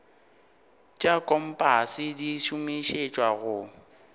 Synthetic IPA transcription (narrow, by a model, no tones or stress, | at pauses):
t͡ʃʼakʼɔm̩pʼasɪdiʃʊmiʃet͡ʃʼwaɣʊ